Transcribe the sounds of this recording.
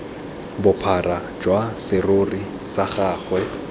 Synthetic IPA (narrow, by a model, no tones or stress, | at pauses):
bʊpʰara | d͡ʒwasɪrori | saχaːχwɛ